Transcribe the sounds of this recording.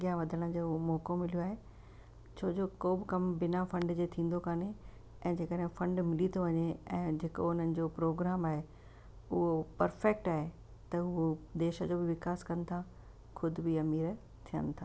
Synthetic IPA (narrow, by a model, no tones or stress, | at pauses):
ɐɡijaʋɐd̪ʱəɽ̃əd͡ʑoːomɔːkomɪljoaːɦe | t͡ɕʰoːd͡ʑoːkoːbɪkɐmbɪnafɐ̃ɳɖd͡ʑeːt̪ʰĩːn̆d̪okaːne | ɛ̃ːd͡ʑeːkəɗɦɪ̃fɐ̃ɳɖmɪlit̪ʰoʋɐɲeɛ̃ːd͡ʑeːko̰ʊn̤ənɪ̆d͡ʑoːpɾoːɡɾaːmaːɦe | ʊɦopɐɾfɛːk̚ʈaːɦe | t̪ɐʊɦod̪eːʃəd͡ʑoːbɪʋɪkaːskɐnɪ̆t̪ʰa | xʰʊd̪ʱʊbiɐmiːɾ | t̪ʰijə̰nɪ̆t̪ʰaː